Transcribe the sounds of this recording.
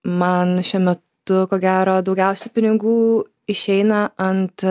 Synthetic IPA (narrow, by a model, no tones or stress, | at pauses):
mɐnʃʲuɔmʲɛt̪ | ʊkoːɡʲæːɾoːd̪ɒʊɡʲɛʊsʲɛpʲɪnʲɪɡuː | ɪʃʲɛɪnɐɐnt̪